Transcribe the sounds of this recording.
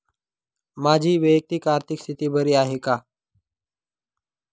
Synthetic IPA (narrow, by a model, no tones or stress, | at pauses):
mad͡ʑʱiːʋəjək̚t̪ikaɾt̪ʰikst̪ʰit̪iːbəɾiːaɦeka